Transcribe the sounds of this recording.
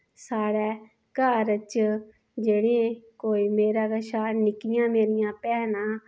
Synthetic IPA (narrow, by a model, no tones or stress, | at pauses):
saːɽɛː | kaːɾət͡ʃ | d͡ʒeːɽẽkoːiːmeːɾaːɡəʃaːnɪkɪjãːmeːɾɪjãːpɛːnãː